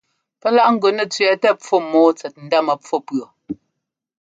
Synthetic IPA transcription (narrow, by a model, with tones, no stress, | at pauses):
pɛ˦la˦ʔŋ̩˦ɡo˨nɛ˨t͡sɥɛ˨tɛ˦p͡fɔ˦mɔː˨˦t͡sɛ˨t̚n̩˨˦da˦mə˨p͡fɔ˦pɰo˨